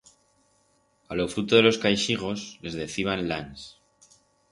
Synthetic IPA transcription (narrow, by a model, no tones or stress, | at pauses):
alo̞fɾut̪oðe̞lo̞skajʃiɣ̞o̞sle̞zðe̞θiβanlans